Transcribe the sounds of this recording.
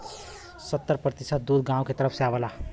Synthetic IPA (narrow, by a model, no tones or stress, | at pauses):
sət̪ːəɾpɾət̪isət̪̚d̪ud̪ʱɡãũket̪əɾəpʰseabəla